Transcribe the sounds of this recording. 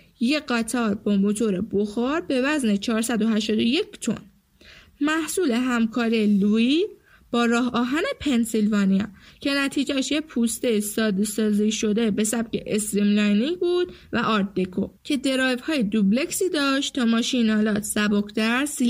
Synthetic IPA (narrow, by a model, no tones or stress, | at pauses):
jeɢæt̪ʰɒːɾbɒmo̞t̪ʰo̞ɾeboxɒɾbe̞væzne̞t͡ʃʰɒːɾsæd̪o̞ɦæʃt̪ɒːd̪o̞je̞cʰt̪ʰo̞̰n | mæhsuːle̞ɦæmkʰɒːɾielui | b̥ɒːɾɒːɦɒːɦæne̞pʰe̞nsilvɒːnijɒcʰe̞næt̪ʰiːd͡ʒæʃjepʰuːst̪e̞jisɒːd̪esɒːziːʃo̞d̪e̞be̞sæb̚cʰe̞ʔesɾimlɒjniŋbuːd̪̥væʔɒːɾt̪̚ːekʰo̰cʰe̞d̪e̞ɾɒːjvhɒːjed̪uble̞csiːd̪ɒːʃt̪t̪ʰɒːmɒːʃinɒːlɒːt̪ʰsæbokd̪æɾsi